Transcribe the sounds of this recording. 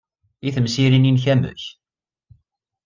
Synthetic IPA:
iθəmsiɾininç̬æmɵ̰ç

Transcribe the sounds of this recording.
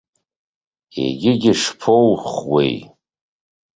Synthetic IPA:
ḛɡʲɪɡʲɪʂpʰowχwḛj

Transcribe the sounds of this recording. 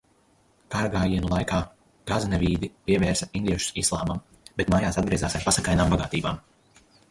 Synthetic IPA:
kaɾɡaːjiɛnulˠajkaː | ɡ̥aznɛvʲiːd̪ipiɛvɛːɾsɐind̪iɛʃu̥sislˠaːmam | bet̪maːjaːsad̪ɡɾʲiɛzaːsaɾpasakajnaːmbaɡaːt̪iːbaːm

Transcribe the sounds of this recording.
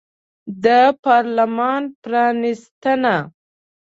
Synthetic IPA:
d̪əpɑɾlamɑnpɾɑnist̪əna

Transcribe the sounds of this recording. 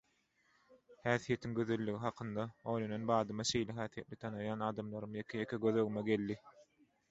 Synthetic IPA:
hæːθije̞t̪ʰiŋɡø̞ðølːyɣiɦɑqʰɯnd̪ɑo̞jlononbɑːd̪ɯmɑʃe̞jleɦæːθije̞t̪lʲit̪ʰɑnɯjɑːnɑːd̪ɑmlˠɑɾɯmjekʰejekʰeɡøðøɣymeɡe̞lːi

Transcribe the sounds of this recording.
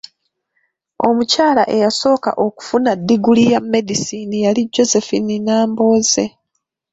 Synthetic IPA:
o̞mucaːlaʔe̞jaso̞ːka̰ʔo̞ku̥funad̪ːiɡulijamːe̞disiːnijaliɟːo̞se̞fininaːmbo̞ːze̞

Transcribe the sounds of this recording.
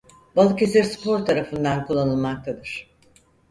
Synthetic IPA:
balˠɯkesiɾspo̞ɾt̪ʰaɾafɯnd̪ankulˠːanɯlˠmak̚t̪ʰad̪ɯɾ̥

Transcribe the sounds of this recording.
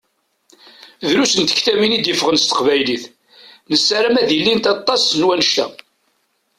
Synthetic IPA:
ðɾusənt̪əçt̪æminid̪jəfəʁənst̪ə̥qvæjliθ | nəsːaɾæmæðilːint̪ɑt̪ˤːɑsnwænəʃt̪æ̰

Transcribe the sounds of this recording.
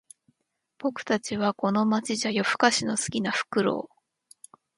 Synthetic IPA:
b̥o̞kɯ̟̥t̪at͡ɕiβ̞ako̞no̞mat͡ɕiʑajo̞ɸɯ̟̥kaɕino̞sɨ̥kʲinaɸɯ̟̥kɯ̟ɾo̞̰ː

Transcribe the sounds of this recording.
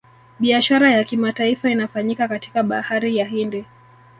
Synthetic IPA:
ɓiaʃaɾajakimataifainafaɲikakati̥kaɓahaɾijaɦindɛ

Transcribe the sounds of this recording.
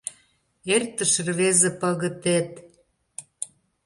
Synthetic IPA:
ert̪ə̆ʃə̆rβezĕpɑɣə̆t̪et̪

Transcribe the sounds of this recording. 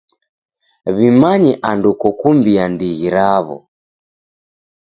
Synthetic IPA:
βimaɲɛʔandukɔkumbiandiɣiɾaβɔ̰

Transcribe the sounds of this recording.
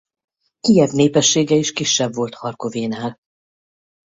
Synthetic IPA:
kijɛbneːpɛʃːeːɡɛiʃkiʃːɛbvo̞lt̪hɒrkoveːnaːl

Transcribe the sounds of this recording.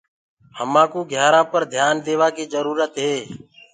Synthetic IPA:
həmãːkũːɡʱjaːɾãːpəɾd̪ʱjaːnd̪eːʋaːkiːzəɾuːɾət̪ɦeː

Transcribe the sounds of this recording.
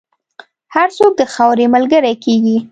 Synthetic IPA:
haɾsok̚d̪əxawɾeməlɡəɾajkeɡi

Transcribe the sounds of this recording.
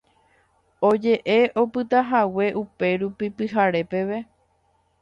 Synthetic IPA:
o̞d͡ʒe̞ʔe̞ʔo̞pɨt̪aɦawe̞ʔupe̞ɾupipɨɦaɾe̞pe̞ʋe̞

